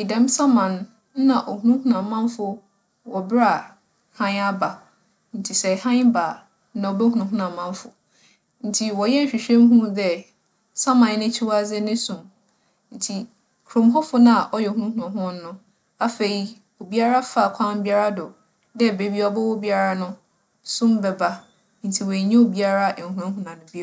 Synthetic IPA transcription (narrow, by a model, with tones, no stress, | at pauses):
ɪ˨dɛ̃˨˦m˦sã˦mã˨n˦ | nã˨ʔɔ˨hũ˦ũ˦hũ˦ã˨mã˦n˦fʊ˨ | wɔ˨bɪ˦ɾa˨ | hã˦ɲa˦ba˨ | n̩˨tʰi˨sɛ˨hã˦ɲbaː˨ | nã˨ɔ˨bɛ˦ɦũ˨nʊ̃˨ɦũ˦ã˨mã˦m˦fʊ̰˨ | n̩˨tʰi˨wɔ˨jɛ˦n̩˨ɕᶣi˨ɕᶣɛ̃˦m˦ɦũ˦dɛ˦ | sã˦mã˨n˦nɪ̃˦t͡ɕʰi˦wa˦d͡zɛ˦nɪ̃˦sũ˨m | n̩˨tʰi˨ | kʰɾõ˨mɦɔ˦fʊ˦nã˦˨ʔɔ˦jɛ˨hũ˦nũ˦hu˨ã˨ɦʊ̃˦n˦nʊ̃˦ | a˦fe˨i˦ | o˨bi˦a˦ɾa˦fa˦˨kʷʰã˦m˦bi˦a˦ɾa˦dɔ˨ | dɛ˦˨be˦bi˦ɔ˦bɔ˦wɔ˦bi˦a˦ɾa˦nʊ̃˦ | sʊ̃˦m˦bɛ˨ba˦ | n̩˨tʰi˨wɔ˨ɲẽ˦o˨bi˦a˦ɾa˦ʔɛ˨ŋ̩˨hũ˦ɾã˦ɦũ˦nã˨nʊ̃˨bi˦˨